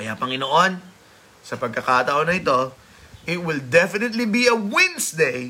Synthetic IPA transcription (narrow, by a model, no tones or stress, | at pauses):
ɐjapɐŋɪnoʔo̞n | sɐpɐɡ̚kɐkaːt̪ɐʔo̞nɐɪt̪o̞ | ʔɪt̪̚wɪld̪ɛfɪnɪt̪libiɐwɛ̃nsd̪ej